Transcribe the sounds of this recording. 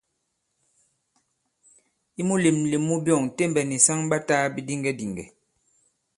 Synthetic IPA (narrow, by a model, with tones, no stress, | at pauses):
i˦mu˦le˨mli˨mu˦bjɔ˦˨ŋte˦mbɛ˨ni˨sa˦ŋba˦taː˦bi˦di˦ŋɡɛ˦di˨ŋɡɛ̰˨